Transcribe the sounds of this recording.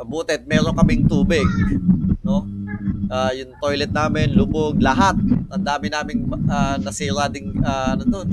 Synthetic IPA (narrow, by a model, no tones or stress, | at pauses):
ʔɐbuːt̪ɛd̪̚mɛːɾoŋkɐmɪŋt̪uːbɪɡ̚no̞ʔaːjʊŋt̪ojlɛt̪̚naːmɪnlʊboɡlɐɦat̪̚ʔɐnd̪aːmɪnaːmɪŋanɐsiːɾad̪ɪŋʔaʔɐnʊd̪on